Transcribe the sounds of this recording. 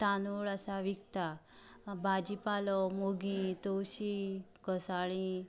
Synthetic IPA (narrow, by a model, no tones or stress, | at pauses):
t̪anuɭasaʋikt̪a | bad͡ʑipalɔmoɡĩt̪owɕikəsaɭĩ